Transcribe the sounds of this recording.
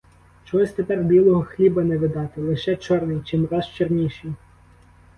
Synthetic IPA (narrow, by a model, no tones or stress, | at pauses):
t͡ʃɔɦɔsʲt̪epɛrbʲilˠɔɦɔxlʲibɐnɛʋʲɪd̪ɑt̪ɪlˠɪʃɛt͡ʃɔrnɪjt͡ʃɪmrɑzt͡ʃernʲiʃij